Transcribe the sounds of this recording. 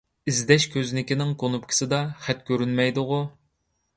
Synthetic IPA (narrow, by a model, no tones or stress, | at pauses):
izd̪ɛʃkʲʰøznɪkʲinɪŋkʰonupkʲʰi̥sɨd̪ɑχɛt̪kʲʰøɾynmɛjd̪ʊʁʊ